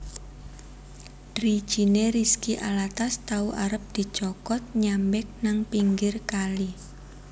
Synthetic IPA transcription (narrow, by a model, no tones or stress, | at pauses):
d̥ɾi̥ʒ̥ineɾiskiʔa̰lat̪ast̪auʔaɾəp̚d̪̥i̤t͡ʃɔkɔt̪̚ɲambɪk̚naŋpiŋɡɪrkali